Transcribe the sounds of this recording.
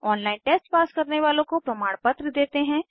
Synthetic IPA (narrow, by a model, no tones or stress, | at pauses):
ɔːnlaːɪnʈeːsʈpaːskɐɾneʋaːlõkopɾɐmaːɽ̃pɐt̪ɾəd̪eːt̪eɦɛ̃